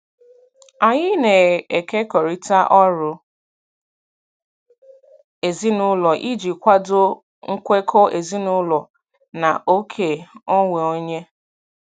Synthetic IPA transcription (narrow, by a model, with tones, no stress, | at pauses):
a˨ɲɪ˦ne˨e˨ke˦kɔ˨ɾi˦ta˦ʔɔ˦ɾʊ˨ | e˨zi˦nʊ˦lɔ˨ʔi˦d͡ʒi˨kʷa˦do˦ | ŋ̩˦kʷe˦kʰɔ˦e˨zi˦nʊ˦lɔ˨ | na̰˨ʔo˦kʰe˨ɔ˦ŋʷe˨o˦ɲe˦